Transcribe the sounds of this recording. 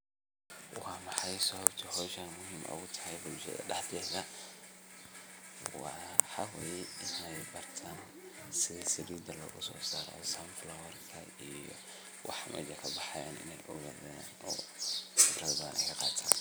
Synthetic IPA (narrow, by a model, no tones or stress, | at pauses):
wɑːmɑħɑjsɔhɔbt̪ʰɐhɔːʃɐnmʊɦiːmʔɐ̰ɣʊt̪ʰɐ̥hɛjbʊlʃɐ̰ðɐ̰ɗɛħd̪ɛɣɐ | wɑħɑwɛːjɛɪnɛjbɐrt̪ʰaːn | sɪðsɐd̪uːd̪ɐlɐ̰ʔʊsɔ̰ːsaːɾɔ̰samflɔwɛrkʰɐ | ijɔ̰ | wʔɑ̰ħmʔɛ̰d͡ʒɐkʰɐbɑħɑja̰ːnɪ̰nɛjʔʊ̰ɣɐðanɔːsɪrɐðɐʔɛ̰jkʰɐqɑːt̪ʰaːn